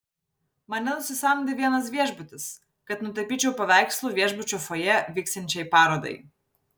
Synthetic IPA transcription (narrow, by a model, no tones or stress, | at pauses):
mɐnʲɛnʊsʲɪsɐmʲd̪ʲɪʋʲiɛnɐs̬ʋʲiɛʒʲbʊt̪ʲɪs | kɐt̪nʊt̪ɐpʲiːt͡ʃʲɛʊpɐʋʲæˑɪkslˠuːʋʲiɛʒbʊt͡ʃʲuːfojɛʋʲiːkst̪ʲɛnʲt͡ʃʲɛɪpɑːɾoːd̪ɐ̰ɪ